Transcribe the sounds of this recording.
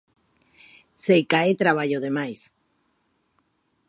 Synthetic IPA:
sejkaet̪ɾaβ̞aʎoðemajs

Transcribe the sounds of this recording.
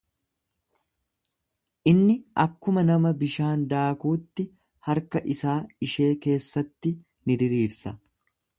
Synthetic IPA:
ʔɪnːɪʔɐkːʊmɐnɐmɐbɪʃaːnd̪aːkuːt̪ːɪ | hɐɾkɐʔɪsaːɪʃe̞ːke̞ːsːɐt̪ːɪ | nɪd̪ɪɾiːɾsɐ

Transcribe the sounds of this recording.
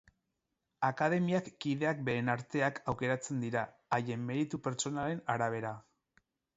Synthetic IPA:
akaðe̞miakːiðe̞ak̚be̞ːnaɾt̪e̞akʰawke̞ɾat͡se̞nd̪iɾaː | je̞mːe̞ɾit̪upe̞ɾt͡so̞nale̞naɾaβ̞e̞ɾa

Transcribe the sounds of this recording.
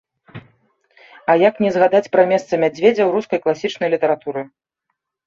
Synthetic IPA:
ɐjaknʲɛzɣad̪at͡sʲpɾɐmʲɛst̪sɐmʲad͡zʲvʲed͡zʲɐwɾuskɐjklˠasʲit͡ʂnɐjlʲit̪ɐɾat̪uɾɨ

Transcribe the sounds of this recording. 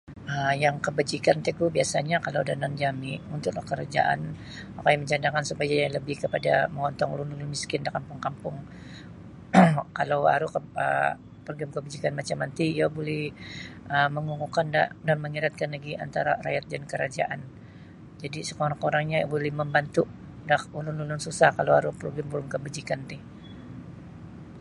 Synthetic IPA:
əjaŋkəbad͡ʒikant̪ɛk̚ubiasaɲakalawdanand͡ʒamiunt̪ʊk̚lahkəɾad͡ʒa̰ʔa̰n | makajaməɲt͡ʃand̪akansupajajaləbɪhkəpadaməŋɔnt̪ɔŋlunulʊnmiskɪndakampʊŋkampʊŋ | kalawa̰ɾukəə̰ | pərɡamkəbad͡ʒikanmat͡ʃamant̪iijabolɛhʔəməŋuŋukandaʔdanməŋiɾat̪̚kanlaɡiʔa̰nt̪aɾara̰jat̪̚dankəɾad͡ʒa̰ʔan | d͡ʒadisəkoɾakoɾaŋɲabolɛhməmbant̪uʔ | dahulʊnlulʊnsusahkalawhaɾuhpɾoɡɛmbulʊmkəbad͡ʒikant̪ɪh

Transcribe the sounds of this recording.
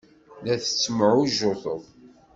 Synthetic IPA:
ðæθə̥t͡sːməʕuʒoθˤəðˤ

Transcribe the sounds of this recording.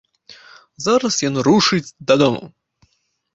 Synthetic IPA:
zaɾɐsjanɾuʂɨt͡sʲd̪ɐd̪ɔmɐ̰

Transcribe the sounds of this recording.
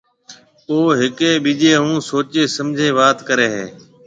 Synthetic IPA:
oːɦɪkeːɓiːʄeːɦũːsoːt͡ʃeːsəmd͡ʒʱeːʋaːt̪kəɾeːɦḛː

